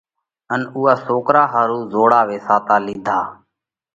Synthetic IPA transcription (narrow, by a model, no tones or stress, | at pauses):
ənuːaːsoːkɾaːɦaːɾuːzoːɽaːʋeːsaːt̪aːliːd̪ʱaː